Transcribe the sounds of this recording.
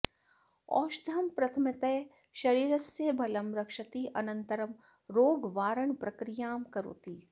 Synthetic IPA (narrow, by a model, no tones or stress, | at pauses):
ɔ̰ːʃd̪ʱɐmpɾɐt̪ʰmɪt̪ɛː | ʃɐɾiːɾɐsjebʱɐlɐmɾɐkʃɐt̪iʔɐnə̃nt̪əɾəm | ɾoːɡʋaːɾəɳpɾɐkɾijaːmkɐɾo̰ːt̪iː